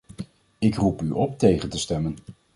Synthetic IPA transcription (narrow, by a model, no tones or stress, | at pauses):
ɪkrupyʔɔp̚tejχəntəstɛmən